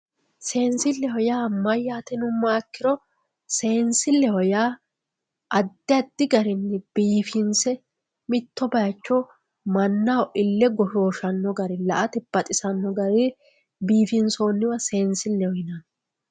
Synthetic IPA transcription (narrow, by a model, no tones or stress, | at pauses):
se̞ːnsɪlːɛhɔjaːmɐjːaːt̪ɛnʊmaːkːɪɾɔ | se̞ːnsɪlːɛhɔjaː | ɐd̪ːɪɐd̪ːɪɡɐɾɪnːɛb̥iːfɪnsɛ | mɪt̪ːɔbɐjɐt͡ʃːɔ | mɐnːawɔʔɪlːɛɡɔʃoːʃɐnːɔɡɐɾɛlɐ̰ʔɐt̪ɛb̥ɐt̪ʼɪsɐnːɔɡɐɾɛ | biːfɪnsoːnːɪwɐse̞ːnsɪlːɛhɔjɪnɐn